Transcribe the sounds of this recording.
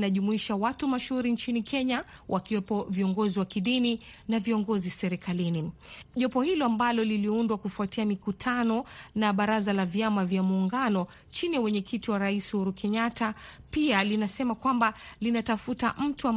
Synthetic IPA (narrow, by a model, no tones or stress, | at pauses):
naʄumuiʃawatumaʃhuɾint͡ʃinikʰɛɲa | wʔakiwɛpɔviɔŋɡɔziwakiɗini | naviɔŋɡɔzisɛɾɛkʰaliniʄɔpɔhilɔambalɔliliundwakufuatiamikutʰanɔnaɓaɾazalavjamavjamuːŋɡanɔ | t͡ʃiniwɛɲɛkʰitiwaɾaishuɾukʰɛɲatapialinasɛmakwambalinatafutaʔm̩tuam